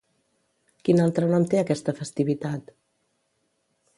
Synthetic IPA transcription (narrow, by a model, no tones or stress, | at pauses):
kinalˠt̪ɾənɔmt̪eəkɛst̪əfəst̪iβit̪at̪